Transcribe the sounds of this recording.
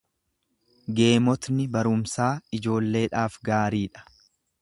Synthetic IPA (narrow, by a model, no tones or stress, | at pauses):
ɡe̞ːmɔt̪nɪbɐɾʊmsaːɪd͡ʒo̞ːlːe̞ːᶑaːfɡaːɾiːᶑɐ̥